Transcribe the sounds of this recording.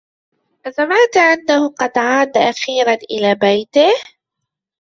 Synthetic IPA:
ʔazamaːt̪aʔanːahʊqɑd̪ʕaːd̪aʔaxiːɾanʔɪ̰laːbajt̪ɪh

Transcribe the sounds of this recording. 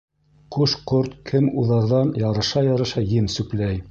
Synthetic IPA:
quʃqoɾt̪kʰɘmuðɑɾðɑnjɑɾɤ̆ʃɑjɑɾɤ̆ʃɑjɘnsʉklæj

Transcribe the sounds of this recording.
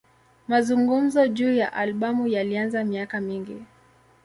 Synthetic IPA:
mazuŋɡum̩zɔʄuːja̰ʔalɓamujalianzamiakamiŋɡi

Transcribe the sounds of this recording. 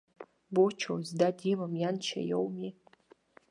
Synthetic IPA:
bot͡ʃʰowzdadimamjant͡ʃʰa̰jo̰wmi

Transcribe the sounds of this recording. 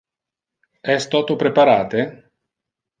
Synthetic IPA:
ɛst̪ɔt̪opɾepaɾaːt̪e

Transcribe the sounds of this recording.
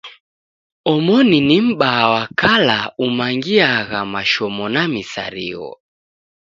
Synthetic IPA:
ɔmɔninim̩ɓaːwakalaumaŋɡiaɣamaʃɔmɔnamisa̰ɾḭɣɔ̰

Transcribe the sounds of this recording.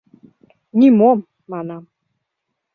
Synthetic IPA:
nimomː | ɑnɑm

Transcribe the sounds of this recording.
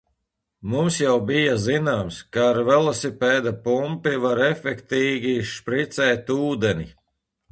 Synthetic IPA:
mumsjawbijazinaːmskaːɾvɛlˠasipɛːd̪apumpivaɾɛfʲɛkt̪iːɡʲiʃpɾit̪sɛːt̪uːd̪ɛni

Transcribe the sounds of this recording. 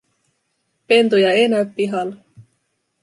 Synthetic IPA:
pe̞nt̪ojɑejnæøppiɦɑl

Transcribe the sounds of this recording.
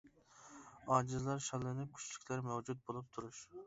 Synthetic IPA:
ɑːd͡ʒɨzlˠɑɾʃɑlːɪnɪp̚kʲʰy̥t͡ʃʰlykʲʰlæɾmɛwd͡ʒut̪̚bolˠup̚t̪ʰuɾuʃ

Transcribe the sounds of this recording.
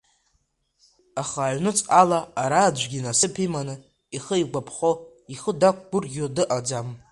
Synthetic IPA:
aχaːɥnɨt͡sʼalaːɾaːd͡ʒʷɡʲinasɨpʰimanɨ | iχəiɡʷapʰχo | iχədak̚ʷʰʼɡ̥ʷʊrɡʲodɨʔad͡zam

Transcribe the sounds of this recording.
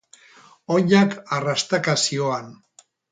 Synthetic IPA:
oɲakarast̪akasioan

